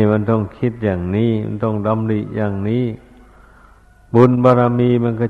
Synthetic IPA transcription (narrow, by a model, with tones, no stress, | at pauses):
ma˧˥˨nt̪ɔ˧˩ŋkʰi˦˥˩t̪̚jaː˨˩ŋniː˧˥˨ma̰˧˥˨nt̪ɔ˧˩ŋda˧˦mli˧˨ʔjaː˨˩ŋniː˦˥˨ | bu˧˥˨nbaː˧ɾa˧miː˧˨ma˧˥˨nka˧˩